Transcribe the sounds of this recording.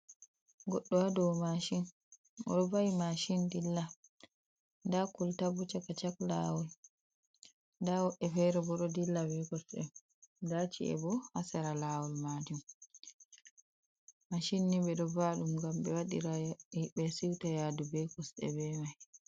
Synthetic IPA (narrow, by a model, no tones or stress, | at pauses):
ɡɔɗːɔwadɔwmaʃin | ʔɔ̰ɗɔbajimaʃindilːa | ndakultabut͡ʃakat͡ʃakla̰wɔl | ndawɔʔːɛfɛɾɛbɔɗɔdilːabɛkɔsɗɛ̰m | dat͡ʃḭɛ̰bɔhasaɾalawɔlmad͡ʒum | maʃinːibɛɗɔbaɗumɡamɓɛwaɗḭɾaɓɛsiwtajadubɛkɔsɗɛ̰bɛmaj